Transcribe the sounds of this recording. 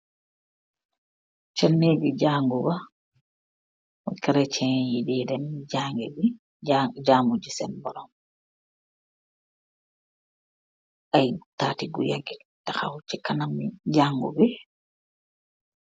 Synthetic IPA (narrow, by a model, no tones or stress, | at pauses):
t͡ʃanːeɡid͡ʒaːŋɡuba | kɛɾɛt͡ʃɛjididɛnːid͡ʒaŋɡɛbi | d͡ʒaːmud͡ʒisɛnbɔɾɔm | ʔajtatiɡuja̰ɡidaxa̰wt͡ʃikanamid͡ʒaːŋɡṵbɛ